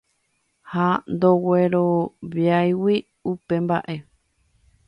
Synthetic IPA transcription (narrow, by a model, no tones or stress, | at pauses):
hand̪o̞weɾoβjajwi | upe̞mba̰ʔe̞